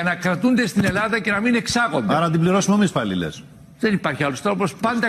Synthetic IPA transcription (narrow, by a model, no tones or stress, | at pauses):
ɐnɐkɾɐt̪und̪est̪ine̞lɐðɐce̞nɐmine̞ksɐɣo̞̰nd̪eɐɾɐnɐt̪ibliɾo̞sumemisfɐlḭlḛs | ðe̞nipɐɾçiɐlo̞st̪ɾo̞po̞spɐnd̪ɐ